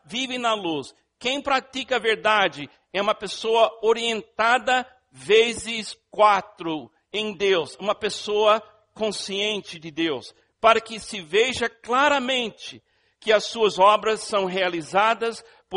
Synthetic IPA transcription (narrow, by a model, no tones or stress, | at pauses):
vivɪnɐlus | kẽj̃pɾat͡ʃikɐɐveɾd̪ad͡ʒɪ | ɛũmɐpesoɐoɾiẽnt̪ad̪ɐ | vezɪskwat̪ɾʊ | ẽj̃d̪ewsũmɐpesoɐ | kõsiẽnt͡ʃɪd͡ʒɪd̪ews | paɾɐkɪsɪveʒɐklaɾɐmẽnt͡ʃɪ | kɪɐsːuɐzɔbɾɐsːɐ̃w̃ɦealizad̪ɐs | p